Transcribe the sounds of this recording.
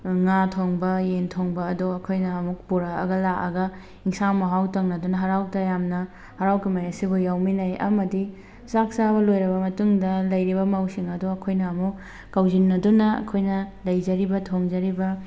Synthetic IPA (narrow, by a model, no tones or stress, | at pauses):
ŋatʰoŋbɐjentʰoŋbɐːdoɐkʰojnɐːmuk̚puɾaɐ̰ɡɐlakɐɡɐ | iŋsamɐɦawtɐŋnɐdunɐɦɐɾawtɐjamnɐ | hɐɾawkɐmɐjasibujawminɐjɐ̰mɐdi | sak̚sabɐlojɾɐbɐmɐtuŋdɐlɐjɾibɐmawsiŋɐduɐkʰojnɐːmu | kɐwzinːɐdunɐɐ̰kʰojnɐlɐjd͡ʒɐɾibɐtʰoŋd͡ʒɐɾibɐ